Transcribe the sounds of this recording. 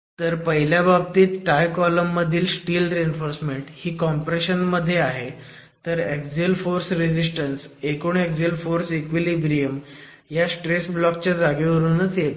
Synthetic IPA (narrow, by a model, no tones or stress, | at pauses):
t̪əɾpəɦiljabab̚t̪iːt̪ʈajkɔləmːəd̪ʱiːlsʈiːlɾeenfoɾsmeɳʈhiːkɔmpɾeɕənməd̪ʱːjeaɦe | t̪əɾekd͡zilfoɾsɾed͡ʑisʈənsekuːɳekd͡zilfoɾsikʋilibɾijəm | jasʈɾesblɔk̚t͡ɕad͡zaɡeʋəɾuːnət͡sjet̪